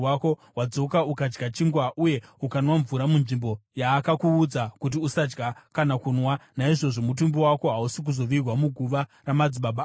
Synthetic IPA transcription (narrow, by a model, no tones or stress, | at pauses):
ako̞ɦwad͡zo̞kaukad͡ʒɡat͡ʃiŋɡwaʔuje̞ukanwaɱvuɾamunʐimbo̞jaːkakuːd͡zakut̬iusad͡ʒɡakanakunwanaiʐo̞ʐo̞mut̬umbiwako̞ɦausik̬uzo̞ʋirwamuɡʱuʋaramad͡ziɓaɓa